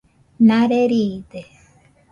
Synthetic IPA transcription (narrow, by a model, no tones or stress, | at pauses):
naɾeɾid̪e